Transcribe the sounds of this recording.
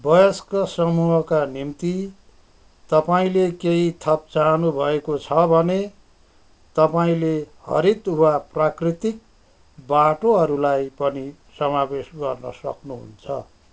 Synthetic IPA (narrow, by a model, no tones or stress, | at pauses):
bʌjʌskʌsʌmuɦʌkanimt̪i | t̪ʌpaĩlekeɦit̪ʰʌp̚t͡saɦnubʱʌekot͡sʰʌbʱʌne | t̪ʌpaĩlehʌ̰ɾit̪ɦuwaprakrit̪ik̚ | baʈoɦʌɾulajpʌni | sʌmabesɡʌrnʌ̰sʌ̰knuɦṵnt͡sʰʌ